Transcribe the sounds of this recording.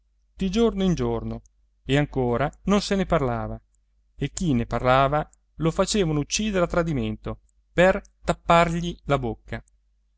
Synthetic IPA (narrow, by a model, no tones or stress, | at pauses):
d̪̥id͡ʒornoind͡ʒorno | eaŋkoːɾanonseneparlaːva | ek̟ːinːeparlaːva | lofat͡ʃeːvanout͡ʃːiːd̪eɾat̪ːɾad̪iment̪o | pert̪apːarʎilabokːa